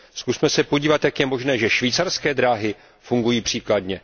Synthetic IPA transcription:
skusmɛsɛpoɟiːvat̪jakjɛmo̞ʒnɛːʒɛʃviːt͡saɾskɛːd̪ɾaːɦɪ | fuŋɡujiːpr̝̥iːkladɲɛ

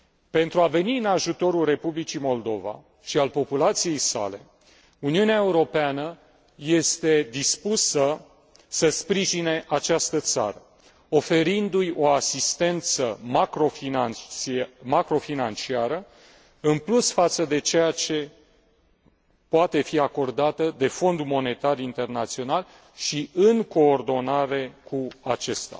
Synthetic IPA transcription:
pe̞nt̪ɾuave̞niɨnaʒut̪o̞ɾulre̞publit͡ʃimo̞ld̪o̞̰va̰ | ʃialpo̞pulat̪sije̞jsa̰le̞̰ | uniuneaeuɾo̞peanə | je̞st̪e̞d̪ispusə | səspɾiʒine̞ʔat͡ʃast̪ət̪sa̰ɾə | o̞fe̞ɾind̪ujo̞asist̪e̞nt̪səmakɾo̞fia | makɾo̞finant͡ʃiaɾə | ɨnplusfat̪səd̪e̞t͡ʃe̞jat͡ʃe̞ | poat̪e̞fiako̞rd̪at̪əd̪e̞fo̞nd̪mo̞ne̞t̪arint̪e̞rnat̪sio̞nal | ʃiɨŋko̞ːrd̪o̞naɾe̞kʰuat͡ʃest̪a̰

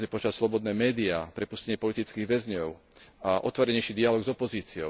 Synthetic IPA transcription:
ɲɛpɔt͡ʃassːlɔbɔd̪nɛːmɛːd̪iaːpɾɛpuscɛɲɪɛpɔlit̪it͡skiːɣʋɛzɲɔʊ | aʔɔ̰t̪ʋɔɾɛɲɛjʃid̪ialɔɡzɔpɔziːt͡siɔ

